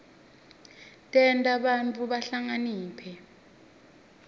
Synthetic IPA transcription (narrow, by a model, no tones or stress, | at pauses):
tʼɛntʼaɓant͡fʼuɓaɬaŋaniːpʰɛ